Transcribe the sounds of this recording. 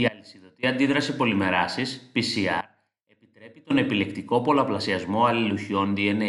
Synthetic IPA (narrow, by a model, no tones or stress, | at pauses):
iɐlisiðo̞t̪iɐnd̪iðɾɐsipo̞lime̞ɾɐsispisiɐ̰ɾ | e̞pit̪ɾe̞pit̪o̞ne̞pile̞kt̪iko̞po̞lɐplɐsiɐzmo̞ɐliluçio̞nd̪iene